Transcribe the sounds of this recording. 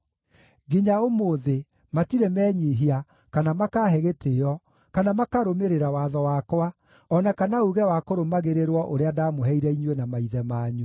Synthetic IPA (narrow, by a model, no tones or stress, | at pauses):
ɡiɲaomoːðe | matiɾɛmɛːɲiɦia | kanamakaːɦɛɣetʰeɔ | kanamakaɾomeɾeɾawaðɔwakwa | ɔnakanauɣɛwakoɾomaɣeɾeɾwɔʔoɾeadamoɦɛiɾɛiɲwenamaiðɛmaːɲu